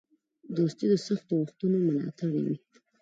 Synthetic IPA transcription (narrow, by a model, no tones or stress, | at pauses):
d̪ost̪id̪əsaxt̪oɣʊxt̪unomʊnɑ̰t̪aɽiwi